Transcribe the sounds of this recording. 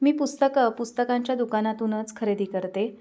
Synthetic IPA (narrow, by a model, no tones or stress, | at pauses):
miːpust̪əkəpust̪əkaɲt͡ɕjad̪ukanat̪uːnət͡skʰəɾed̪iːkəɾt̪e